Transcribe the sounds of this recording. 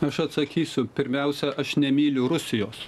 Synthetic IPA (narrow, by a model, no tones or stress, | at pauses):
ɐʃɐt̪sɐkʲiːsʲʊpʲɪɾʲmʲɛʊsʲɛʔɐʃnʲɛmʲiːlʲʊɾʊsʲɪjoːs